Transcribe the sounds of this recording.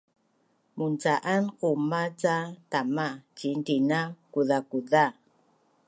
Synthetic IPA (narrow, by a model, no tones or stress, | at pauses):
munt͡saʔankumat͡satamat͡ʃindinakuðakuða